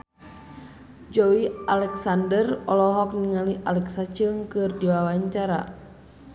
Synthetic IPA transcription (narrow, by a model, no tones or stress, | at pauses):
d͡ʒɔwialɛksandərɔlɔɦɔk̚niŋaliʔalɛksat͡ʃəŋkɨrdiwawaɲt͡ʃaɾa̰